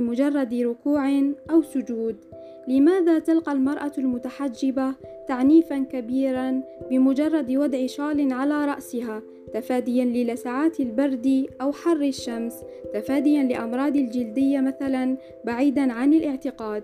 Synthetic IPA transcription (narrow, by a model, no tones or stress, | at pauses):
ɪmʊd͡ʒɑrˤːɑd̪ɾʊkuːʕɪnʔawsʊd͡ʒuːd̪ | lɪmaːðaːt̪alqɑlmɑɾˤʔalmʊt̪aħad͡ʒːɪbat̪aʕniːfankabiːɾanbɪmʊd͡ʒɑrˤːɑd̪wɑd̪ʕɪʃɑːlɪnʕalaːɾˤɑ̰ʔsɪɦaː | t̪afaːd̪ɪjanlɪlasaʕaːt̪ɪlbɑɾd̪iʔawħɑrˤːɪʃːams | t̪afaːd̪ɪjanlɪʔɑmɾˤɑːd̪ɪld͡ʒɪld̪ɪjːamaθalan | baʕiːd̪anʕanɪlʔɪʕt̪ɪqɑːd̪